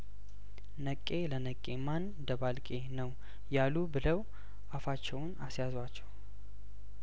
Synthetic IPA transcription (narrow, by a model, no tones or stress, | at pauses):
nəkʼːe̞lənəkʼːe̞man | d̪əβalkʼe̞nəw | jalubɨləw | ʔafat͡ʃːɛwʊnasjazwat͡ʃːɛw